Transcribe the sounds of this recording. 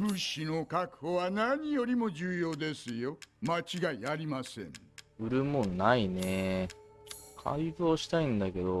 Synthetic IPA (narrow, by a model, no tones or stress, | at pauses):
ɸɯɕino̞kakɯ̟̥ho̞βanaɲ̟ijo̞ɾʲimo̞d͡ʑɨːjo̞ːd̪e̞sɨjo̞mat͡ɕiɡaiaɾʲimasẽ̞̰ŋɯ̟ɾɯ̟mõnːaine | kʰa̰izoːɕi̥t̪aĩnd̪ake̞d̪o